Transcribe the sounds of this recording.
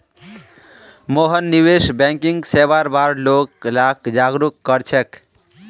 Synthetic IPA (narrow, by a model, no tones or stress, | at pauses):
moɦənːibesbɛŋkiŋɡsebaɾbaɾloklakd͡ʒaɡɾukːʌɾt͡ʃʰek